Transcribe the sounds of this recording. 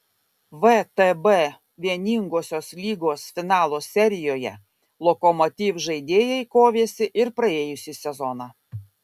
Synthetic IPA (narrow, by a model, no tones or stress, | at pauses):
ʋət̪ɛbɛ | ʋʲiɛnʲiːŋɡoːsʲoːslʲiːɡoːsfʲɪnɑːlˠoːsʲɛɾʲɪjoːjɛ̰ | lˠɔkɔmɔt̪ʲiːʋʒɐɪd̪ʲeːjɛɪkoːʋʲeːsʲɪʔɪɾpɾɐeːjʊsʲɪsʲɛzɔnɑː